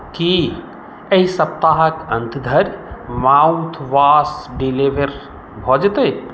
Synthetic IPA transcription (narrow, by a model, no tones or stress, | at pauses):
ki | ɐɦisɐp̚t̪aːɦəkə̃nt̪ʰd̪ʱəɾmaːwũt̪ʰʋaːsɖileʋəɾ | bʱɔːd͡ʒt̪əj